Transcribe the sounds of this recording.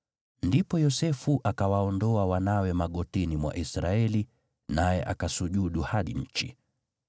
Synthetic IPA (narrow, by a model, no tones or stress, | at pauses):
ndipɔjɔsɛfuʔakawaɔndɔawanawɛmaɠɔtinimwa̰ʔisɾaɛli | najɛʔakasuʄuɗuhaɗḭɲ̩t͡ʃḭ